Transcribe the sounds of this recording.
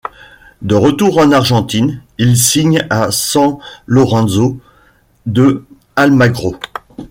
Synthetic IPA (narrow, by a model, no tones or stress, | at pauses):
d̪əʁət̪uʁɑ̃naʁʒɑ̃t̪inilsiɲasɑ̃lɔʁɑ̃zo | d̪ə | almaɡʁo